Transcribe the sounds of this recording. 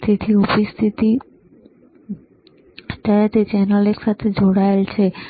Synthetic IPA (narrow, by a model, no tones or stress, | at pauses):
t̪ʰit̪ʰiupist̪ʰit̪i | d̪aɾat̪et͡ɕɛnɾaleɾʃat̪ʰed͡ʑʱoɽalt͡ɕʰe